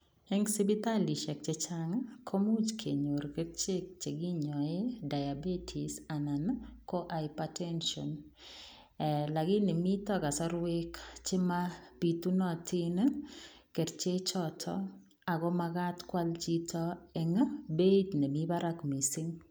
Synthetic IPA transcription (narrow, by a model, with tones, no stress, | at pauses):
ɛ˦ŋsi˦bi˦t̪a˦li˨ʃɛ˨k̚t͡ʃe˨t͡ʃa˦ŋkʰo˦mu˦t͡ʃkʰḛ˨ɲo˨ɾke˦tt͡ʃe˦k̚t͡ʃe˨ɡi˦ɲɔ˨e˦da˨ja˨be˦tʰi˨sa˨na˨nkɔ˦ʔa˨jpatɛ˦nʃɔ̰n˨ | la˨ɡɪ˦ne˨mi˦t̪ɔ˦ɡa˨sɔ˦ɾwe˦kt͡ʃɪ˦ma˦pi˨t̪u˦nɔ˦˨tʰi˦n | ke˨tt͡ʃe˦t͡ʃɔ˦tʰɔ̰˦ | a˨ɡɔ˦ma˧ɡa˦tkwa˦lt͡ʃi˦tʰɔ˦e˨ŋ˦be˦tne˨mi˦ba˦ɾa˦kmi˨si˦ŋ